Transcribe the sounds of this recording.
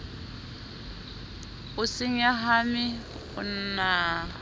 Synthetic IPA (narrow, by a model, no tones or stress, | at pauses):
ʊsɪŋ̩jaɦamɪ | ʊ̰n̩na